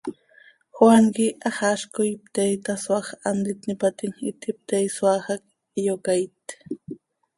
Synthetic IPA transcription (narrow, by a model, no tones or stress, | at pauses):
xwaŋkɪʔaχaʃkʊjp̚t̪ejt̪aswaχand̪ɪt̪nɪpat̪ɪŋɪt̪ʰɪp̚t̪ejswaχak | jokajt̪